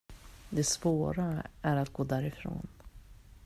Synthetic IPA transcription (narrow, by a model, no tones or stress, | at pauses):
d̪ɛsvoːɾaæɾat̪ɡoːd̪æɾɪfɾo̰ːn